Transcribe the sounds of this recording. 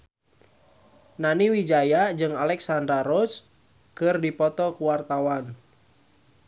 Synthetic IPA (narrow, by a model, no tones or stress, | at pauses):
naniwid͡ʒajad͡ʒɨŋalɛksandɾaɾɔs | kɨrdipɔt̪ɔkuwart̪awan